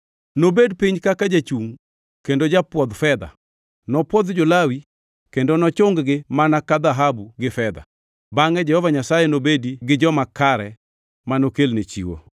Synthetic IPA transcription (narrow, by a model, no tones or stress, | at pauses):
nobedpiɲkakad͡ʒat͡ʃuŋ | kendod͡ʒapwɔd̪fɛd̪a̰ | nɔpwɔd̪d͡ʒolawi | kendonɔt͡ʃʊŋɡɡɪmanakad̪aɦabuɡɪfɛd̪a̰ | baŋɛd͡ʒɛhɔvaɲasajɛnobediɡɪd͡ʒɔmakaɾɛ | manokelnet͡ʃḭwo̰